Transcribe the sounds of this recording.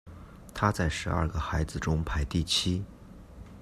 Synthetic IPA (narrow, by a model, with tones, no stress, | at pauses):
t̪ʰa˥t͡sa˥˩ɪʂɻ̩˧˥ɐ̰˥˩ɡə˩xa˧˥ɪd͡zɹ̩˧ʈ͡ʂʊ˥ŋpʰa˧˥ɪt̪i˥˩t͡ɕʰi˥